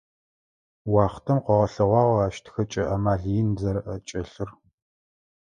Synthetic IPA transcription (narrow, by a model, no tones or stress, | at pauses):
wɑːχtʰɐmqʷɔʁɐɬɐʁʷɑːʁaːʃtʰxɐt͡ʃʼɐʔɐmaːɮjɪnzɐrʔɐt͡ʃʼɐɬɨr